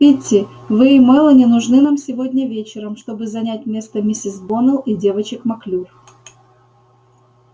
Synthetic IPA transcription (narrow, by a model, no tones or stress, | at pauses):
itʲːɪ | vɨːmɛlˠənʲɪnʊʐnɨnamsʲɪvo̞dʲnʲəvʲet͡ɕɪɾəmʂt̪o̞bɨzɐnʲætʲmʲe̞st̪əmʲɪsʲɪsbonəlˠidʲe̞vət͡ɕɪkmɐklʲur